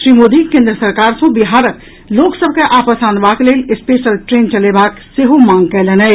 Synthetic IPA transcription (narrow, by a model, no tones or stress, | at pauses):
ʃɾimod̪ʱikẽnd̪ɾəsəɾkaɾsə̃biɦaɾək | loksəbʱkeʔapəsanbaklelespesəlʈɾent͡ʃəlebakseɦomãŋɡkɛlenɛ